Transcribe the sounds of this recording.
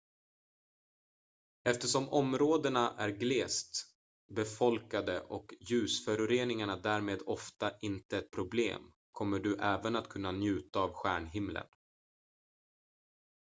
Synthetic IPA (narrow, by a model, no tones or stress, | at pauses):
ɛft̪əʂɔmʔɔmɾoːd̪əɳaʔæɾɡleːst̪ | bɛfɔlkad̪əʔɔkjʉ̟ːsfœɾʉɾeːnɪŋaɳad̪æːɾmeːd̪ɔft̪aʔɪnt̪əɛt̪̚pʰɾʊblḛːm | kʰɔmːəɖɵʔɛːvənat̪kʰɵn̪ːanjʉ̟ːt̪aːvɧæːɳɦɪmlə̰n